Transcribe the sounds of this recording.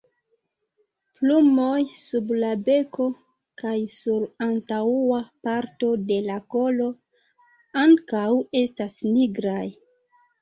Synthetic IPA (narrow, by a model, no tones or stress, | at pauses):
plumo̞jsublabe̞ko̞ | kajsuɾantauapaɾto̞de̞lako̞lo̞ | aŋkawe̞stasniɡɾaj